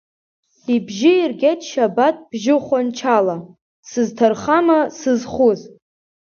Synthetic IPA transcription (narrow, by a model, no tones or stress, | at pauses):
ibʒɪirɡʲetʰʼʃabatʼb̥ʒɪχʷant͡ʃʰala | sɨztʰarχamasɨzχuz